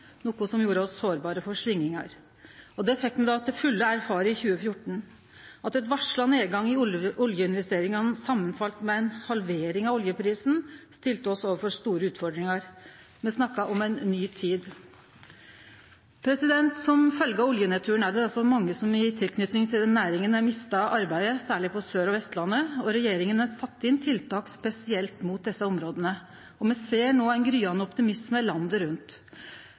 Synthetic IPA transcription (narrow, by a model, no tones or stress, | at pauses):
nɔːkʊsɔmjuːɾəɔsoːɾbɑːɾəfɔʂʋɪŋːɪŋɑ̰ɾ | ɔd̪ɛfɛk̚t̪mɛd̪ɑt̪̚d̪ɛfʉlːəæɾfɑːɾəɪçʉːəfjʊʈɳ̩ | ɑt̪ɛt̪ʋɑʂlɑneːɡɑŋːɪʔʊljəɪnʋɛst̪eːɾɪŋɑnsɑmːənfɑlt̪mɛɛnhɑlʋeːɾɪŋɑʋɔljəpʰɾiːsn̩st̪ɪlt̪əɔsoːʋəɾfɔʂt̪uːɾəʉːt̪fɔɾɖɾɪŋɑɾ | mɛnsnɑkːɑʔɔmɛnnːyːt̪ʰiːd̪ | pʰɾɛsɪd̪ɛnt̪sɔmfœlɡəɑɔljənɛt̪ʰʉːəɳæɖɛɑlsɔmɑŋːəsɔmɪt̪ʰɪlkʰnʏt̪nɪŋt̪ʰɪld̪ɛnːæːɾɪŋənæɾmɪst̪ɑʔɑɾbæɪəsæːɭɪpʰɔsøːɾɔʋɛst̪lɑnːəɔɾɛjeːɾɪŋənæsɑt̪ːɪnt̪ʰɪlt̪ʰɑːkspɛsɪɛlt̪muːt̪̚d̪ɛsːəɔmɾoːd̪ənə | ɔmɛseːɳoːæɪnɡɾyːɑnːəɔpt̪ɪmɪsməlɑnd̪əɾʉnt̪